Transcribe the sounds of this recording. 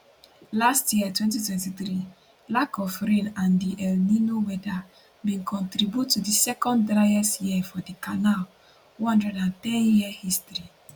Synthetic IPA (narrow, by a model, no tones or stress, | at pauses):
lastjiətwɛ̃ntitwɛ̃ntiθɾi | lakɔfɾẽnãndiʔɛlninowɛda | mĩnkʰɔ̃ntɾibjutːudisɛkɔ̃nddɾaɛsjiɛfɔdikanal | wɔ̃dɛdãntɛ̃njiəhistɹi